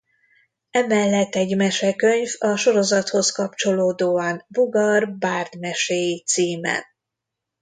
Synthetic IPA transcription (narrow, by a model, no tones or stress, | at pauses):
ɛmɛlːɛt̪ːɛɟmɛʃɛkø̞ɲvɒʃo̞ɾo̞zɒt̪ho̞skɒpt͡ʃo̞loːd̪oːɒnbuɡɒrbaːrd̪mɛʃeːjit̪siːmɛ̰n